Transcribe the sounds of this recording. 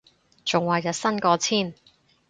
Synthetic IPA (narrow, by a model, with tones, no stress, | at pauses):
t͡sʊ˨ŋwaː˨˩jɐ˨˩sɐ˥nkɔː˧t͡sʰiː˥˩n